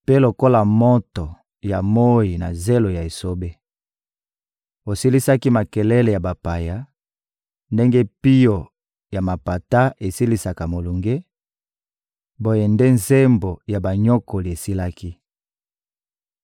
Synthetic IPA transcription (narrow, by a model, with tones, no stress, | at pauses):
pe˦lo˨ko˦la˨mo˦to˨ | ja˨mo˦i˨na̰˨ze˦lo˨ja˨e˨so˦be˦ | o˨si˦li˦sa˦ki˦ma˨kɛ˨lɛ˦le˨ja˨ba˨pa˨ja˦ | nde˦ŋɡe˦pi˦jo˨ | ja˨ma˨pa˨ta˦ʔe˨si˦li˦sa˨ka˨mo˨lu˨ŋɡe˦ | bo˦je˨nde˦nze˦mbo˨ja˨ba˨ɲɔ˦ko˨li˨e˨si˦la˦ki˦